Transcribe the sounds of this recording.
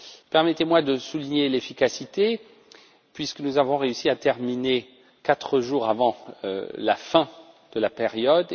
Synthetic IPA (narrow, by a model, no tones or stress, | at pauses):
pɛʁmɛt̪emwad̪əsuliɲelefikasit̪e | pɥiskənuzavɔ̃ʁeysiat̪ɛʁmine | kat̪χəʒuʁavɑ̰̃la̰fɛ̃ | d̪̥əlapeʁjɔd̪